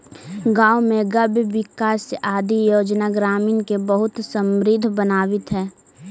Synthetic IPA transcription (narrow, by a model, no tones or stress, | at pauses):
ɡaːwmẽɡəbʋɪkaːsaːd̪ʱijoːd͡ʒnaɡɾaːminkebəɦʊt̪səmɾɪd̪ʱbənaːʋɪt̪ɦɛː